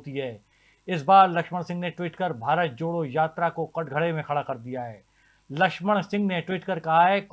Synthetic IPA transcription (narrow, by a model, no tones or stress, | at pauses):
t̪iɦɛː | ɪs̬baːɾlɐkʃməɽ̃sɪ̃ŋɡneʈwiːʈkɐɾbʱaːɾət̪̚d͡ʒoːɽojaːt̪ɾakoqɐʈɡʱɐɽemẽxɐɽakɐɾd̪ijaɦɛː | lɐkʃməɽ̃sɪ̃ŋɡneʈwiːʈkɐɾkɐɦaɦɛːk